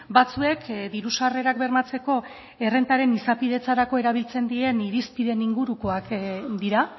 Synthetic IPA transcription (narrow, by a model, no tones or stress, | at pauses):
bat͡sue̞kd̪iɾusare̞ɾakbe̞ɾmat͡se̞ko̞ | e̞re̞nt̪aɾe̞nisapið̞e̞t͡saɾako̞e̞ɾaβ̞ilt͡se̞nd̪ie̞niɾispiðe̞niŋɡuɾuko̞akd̪iɾa